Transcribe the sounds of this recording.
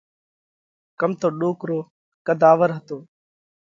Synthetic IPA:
kəmt̪oːɗoːkɾoː | kəd̪aːʋəɾɦət̪oː

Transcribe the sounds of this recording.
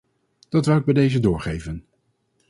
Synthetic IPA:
d̥ɑtʋɛlˠɪɡ̚bɛjdejzədʊːɹχejvən

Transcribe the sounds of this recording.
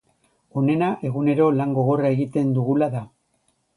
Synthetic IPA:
o̞ne̞naʔe̞ɣune̞ɾo̞laŋɡo̞ɣo̞rae̞ɣit̪e̞nd̪uɣulaða

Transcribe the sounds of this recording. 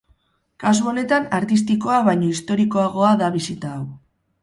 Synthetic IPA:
kas̬uo̞ne̞t̪anaɾt̪ist̪iko̞aβajɲo̞ist̪o̞ɾiko̞aɣ̞o̞aðaβ̞isit̪aːw

